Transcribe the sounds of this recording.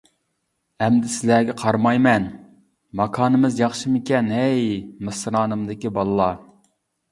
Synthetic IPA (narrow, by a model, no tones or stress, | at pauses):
ɛmd̪ɪsɪlæɡʲɛqʰɑɾmɑjmɛn | mɑkʰɑːnɨmɨzjɑχʃɨmɪkʲɛnɛjmɨsɾɑːnɨmd̪ɪkʲibɑlˠɨlˠɑ